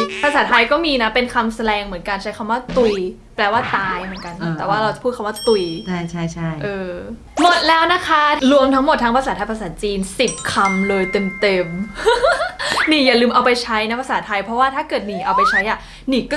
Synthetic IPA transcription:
pʰa˧saː˨˩˦t̪ʰa˧jkɔː˥˩miː˧na˦˥pe˧nkʰa˧msa˧dɛː˧ŋmɯ˩˦ənkaː˧nt͡ɕʰa˦˥jkʰa˧mwaː˥˩t̪u˧j | plɛː˧waː˥˩t̪aː˧jmɯ˨˩˦nka˧n˧ɛː˨˩waː˥˩ɾa˧wt͡ɕa˨˩pʰuː˥˩t̚kʰa˧˦waː˥˩t̪u˧˩jt͡ɕʰa˥˩jt͡ɕʰa˥˩jt͡ɕʰa˥˩jʔɤː˧ | mo˨˩t̪̚lɛː˦˥wna˦˥kʰa˦˥ɾu˧əmt̪ʰa˦˥ŋmo˨˩t̪̚ʰːa˦˥pa˧saː˩˦t̪ʰa˧jpʰa˧s̬aː˩˦t͡ɕiː˧nsi˨˩p̚kʰa˧mlɤː˧jt̪e˧mt̪e˧m | niː˨˩jaː˨˩lɯː˧mʔa˧wpa˧jt͡ɕʰa˦˥jna˦˥pʰa˧saː˩˦t̪ʰa˧jpʰɾɔ˦˥waː˥˩t̪ʰaː˥˩kɤː˨˩t̪̚niː˨˩ʔa˧wpa˧jt͡ɕʰa˦˥jʔa˨˩ | niː˨˩kɔː˥˩

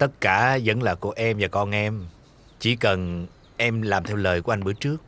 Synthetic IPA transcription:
t̪ə˦˥t̚kaː˧˩zə̰˧˦nlaː˨˩ku˧˩əʔɛ˧mvaː˨˩kɔ˧nʔɛ˧m | t͡ɕḭ˧˩˦kə˨˩n | ʔɛ˧mlaː˨˩mt̪ʰɛ˧wləː˨˩jku˧˩˦ʔa˧ŋ̟ɓɨ˨˦˥ət͡ɕɨ˦˥ək̚

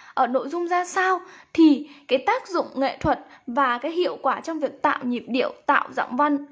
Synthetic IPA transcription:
ʔəː˧˩no̰˧˨jzʊ˧ŋ͡mzaː˧saː˧wt̪ʰi˨˩kaː˨˦jt̪aː˦˥k̚zʊ̰˧˨ŋ͡mŋḛ˧˨t̪ʰwə˨˩t̚vaː˨˩kaː˨˦jɦḭ˧˨əwkwaː˧˩t͡ɕɔ˧wŋ͡mvi˨˩ək̚t̪a̰ː˧˨wɲi˨˩p̚ɗḭ˧˩˨əwt̪a̰ː˧˨wza̰˧˥mva˧n

